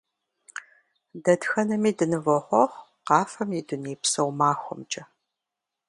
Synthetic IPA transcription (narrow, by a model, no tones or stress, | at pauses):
dɐdxɐnɐmiːdɨnɨvɔʁʷɔʁ | qɑːfɐmjidʊniːpsɐwmaːxʷɔ̰mt͡ʃʼɐ